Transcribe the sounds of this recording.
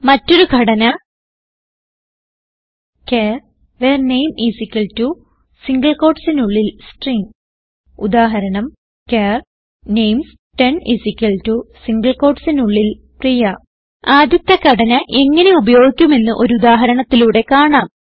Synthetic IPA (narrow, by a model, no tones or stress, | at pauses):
mɐtːo̞ɾukʰɐɽɐnɐ | keːr | ʋeːrnejmisikʲːɐltu | siŋɡɐɭko̞ːrɖsinuɭːilsʈriŋ | ud̪aːɦɐɾɐɳɐm | keːr | nejms | ʈe̞nḭsikʲːɐltusiŋɡɐɭko̞ːrɖsinuɭːil | prijɐ | aːd̪jɐt̪ːɐkɐɽɐnɐʔe̞ŋːɐne̞ubɐjo̞ːɡikʲːume̞nːɨʔo̞ɾuud̪aːɦɐɾɐɳɐt̪ːiluːɽe̞kaːɳaːm